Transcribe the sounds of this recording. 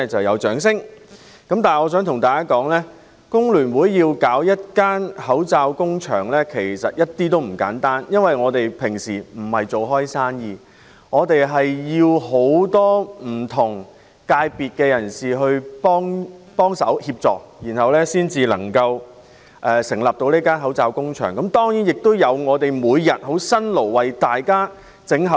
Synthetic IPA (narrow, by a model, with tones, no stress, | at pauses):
t͡sɐ˨wjɐ˨˧wt͡ʃœː˨˥ŋsɪ˥ŋ | kɐ˨˥mt̪aː˨ɔː˨˧s̬œː˨˥ŋt̪ʰʊ˨˩ŋt̪aː˨˩kaː˥kɔː˨˥ŋlɛː˥ | kʊ˥ŋlyː˨˩nwuː˨˥jːiː˧wkaː˨˥wjɐ˥t̚kaː˥nhɐ˨˥wt͡saː˧wkʊ˥ŋt͡ʃʰœ̰ː˨˩ŋlɛː˥kʰe˨˩jsɐ˨t̚jɐ˥t̚t̪iː˥t̪̬o˥wm̩˨˩ka̰ː˨˥nt̪aː˥njɐ˥nwɐ˨jŋɔː˨˧t̪e˨jpʰɪ˨˩ŋsiː˨˩m̩˨˩hɐ˨jt͡so˨wɦɔː˥jsaː˥njiː˧ | ŋɔː˨˧t̪e˨jɦɐ˨jjiː˧who˨˥wt̪ɔː˥m̩˨˩t̪ʰʊ˨˩ŋ | kaː˧jpiː˨t̚kɛː˧jɐ˨˩nsiː˨ɦɵ˧ɥpɔː˥ŋpɔː˥ŋsɐ̰˨˥whiː˧p̚t͡sɔ̰ː˨k̚jiː˨˩nhɐ˨wlɛː˥siː˥nt͡siː˨lɐ̰˨˩ŋkɐ˧w | ʔɛː˨sɪ˨˩ŋlɐː˨p̚t̪o˧wneː˥kaː˥nɦɐ˨˥wt͡saː˧wkʊ˥ŋt͡ʃʰœ̰ː˨˩ŋkɐ˨˥mt̪ɔː˥ŋji˨˥njɪ˨k̚t̪o˥wjɐ˨˧wŋɔː˨˧t̪e˨jmuː˨˧jjɐ˨t̚ɦo˨˥wsɐ˥nlo˨˩wːɐ˨jt̪aː˨jkaː˥ | t͡sɪ˨˥ŋɦɐ˨